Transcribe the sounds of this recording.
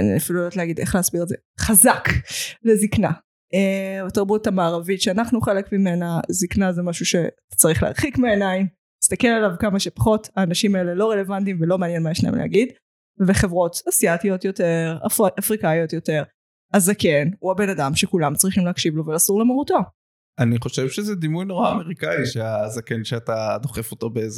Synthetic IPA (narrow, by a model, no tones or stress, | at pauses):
anḭafiluotleaɡid̪eχleasbiʁezḛ | χazaklezikna̰ | eataʁbutamaːʁavitʃeanaχnuχelekmimenaziknazemaʃuʃe̞atḁt͡saʁiχlea̰ʁχikmeenaim | ist̪akelalavkamaʃepḁχo̞taːnaʃimaele̞lo̞ʁele̞vantimvelo̞meanjenmajeʃna̰ḛmlḛa̰ɡid | beχevʁo̞t̪asiatio̞tjo̞teʁa̰afʁikajo̞t̪jo̞teʁ | azake̞nuabe̞nadamʃekulamt͡sʁiχimleakʃivlo̞velaːsuʁlemaʁuto | ʔaniχo̞ʃevʃezɛd̪imujnoʁaːme̞ʁikaiʃeazakenʃeatad̪o̞χefotobeez